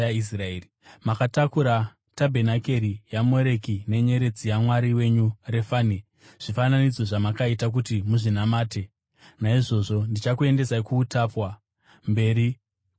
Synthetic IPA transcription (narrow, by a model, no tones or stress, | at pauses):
ais̬raeːri | makatakuɾa | tabʱe̞nake̞ɾijamo̞ɾe̞kine̞ɲe̞ɾe̞d͡zijamwaɾiwe̞ɲure̞fani | ʐ̥ifananid͡zo̞ʐamakaitak̬utimuʐinamaːte̞ | naiʐo̞ʐo̞ndit͡ʃakue̞nde̞saikuːtapwa | mbe̞ːɾi